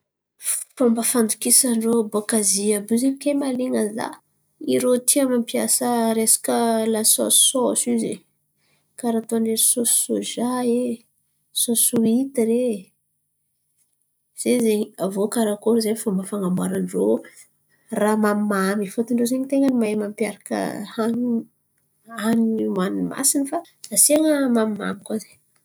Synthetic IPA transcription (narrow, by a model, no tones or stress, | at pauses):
fambəfand̪ukisaɳɖ͡ʐobokaziəbuzemkʲemaliŋəza̰ | iɾot̪ʰiamnampiasəɾesḁkəlasɔ̰̥sɔsizḛ | kaɾat̪oneɾsossoʒae | sosuit̪iɾe | z̥ezeɲiavokaɾakoɾzefamafaŋamwaɾanɖ͡ʐo | ramamimamifot̪iɳɖ͡ʐozeɲit̪eŋənimamampiaɾakə̰an | anmanuma̰sinifa | d̪aseŋəmamima̰mikwaze̥